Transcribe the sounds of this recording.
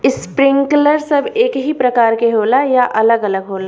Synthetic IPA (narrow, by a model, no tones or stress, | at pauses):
ɪspɾɪ̃ŋkləɾsɐbeːkɦipɾɐkaːɾkeɦoːlajaʔɐləɡɐləɡɦoːla